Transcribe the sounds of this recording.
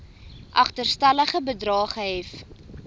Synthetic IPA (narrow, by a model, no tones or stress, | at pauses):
ʔɐχtərstɐləχəbədrɑːχəɦɛf